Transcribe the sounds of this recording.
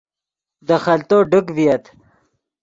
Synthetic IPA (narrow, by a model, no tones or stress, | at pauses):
d̪əxɐlt̪oːɖukvijɐt̪